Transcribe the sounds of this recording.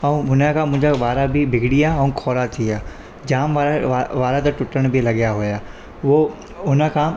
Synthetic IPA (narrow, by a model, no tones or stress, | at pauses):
ɐũɦʊnakʰãːmʊ̃ɦɪ̃ɲd͡ʑaʋaːɾabɪbʱɪɡʱɪɽiaːɦɐũkʰɔːɾat̪ʰiaː | d͡ʑaːmʋaɾaʋaːɾat̪ɐʈʊʈəɽ̃bʱilɐɠjaɦujaː | ʋo | ʊnəkʰãː